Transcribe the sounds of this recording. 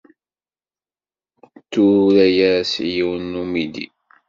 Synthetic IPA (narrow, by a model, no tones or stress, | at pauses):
t̪ːuɾæjæsjiwnːumid̪ḭ